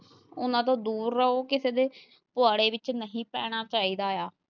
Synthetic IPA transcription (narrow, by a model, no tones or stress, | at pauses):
ʊnãːt̪̬õːd̪uːɾːəɦoːkɪseːd̪eː | pʊaːɽeːʋɪt͡ʃnəɦĩːpɛːɽ̃aːt͡ʃaːiːd̪aːjaː